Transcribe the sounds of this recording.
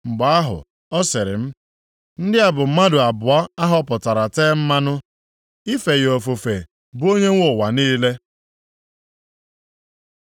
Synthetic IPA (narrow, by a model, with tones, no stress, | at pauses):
ŋ͡m̩˨ɡ͡ba˨a˦ɦʊ̰˨ | ɔ˦sɪ˨ɾɪ̰˨m̩˦ | n̩˦dɪ˦a˨bʊ˨m̩˦ma˦dʊ˨a˨bʊ˨a˦a˦ɦɔ˦pʊ˨ta˨ɾa˨teː˦m̩˦ma˦nʊ˦ | i˦fe˨jo˨fo˨fe˨ | bu˦o˦ɲe˦ŋʷo˦˨wa˨niː˦le˦